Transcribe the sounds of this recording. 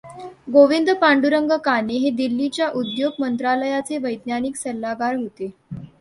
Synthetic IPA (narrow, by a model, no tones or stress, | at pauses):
ɡoʋind̪əpaɳɖuɾəŋɡəkaneɦed̪ilːit͡ɕjaʔud̪joɡ̚mənt̪ɾaləjat͡seʋəjd̪njaniːksəlːaɡaɾɦot̪e